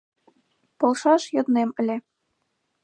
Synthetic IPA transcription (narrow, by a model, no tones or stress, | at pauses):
polˠʃɑʃjŏt̪nemɘ̆lʲe